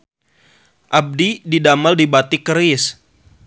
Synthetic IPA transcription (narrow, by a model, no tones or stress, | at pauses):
ʔab̚dididamaldibat̪ikəɾɪs